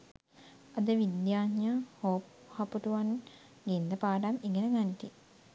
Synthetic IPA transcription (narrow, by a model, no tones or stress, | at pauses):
ɐd̪əʋid̪jaːɲjahoːp | hapuʈuʋan | ɡend̪əpaːɖamiŋɡənəɡant̪i